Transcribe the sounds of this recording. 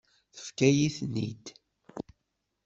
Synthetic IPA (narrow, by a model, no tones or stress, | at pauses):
θə̥fkæjiθnḭd̪